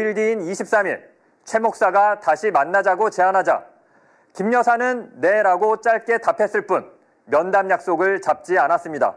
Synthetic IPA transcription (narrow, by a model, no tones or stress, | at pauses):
iɭdiːniɕʰip̚s͈amiɭ | t͡ɕʰe̞mok̚s͈aɡataɕʰimanːad͡ʑaɡot͡ɕe̞anɦad͡ʑa̰ | kimɲʌsʰanɯnːe̞ɾaɡot͡ɕ͈aɭk͈e̞tapʰe̞s͈ɯɭp͈un | mjʌndamjak̚s͈oɡɯɭt͡ɕap̚t͡ɕ͈ianas͈ɯmɲida̰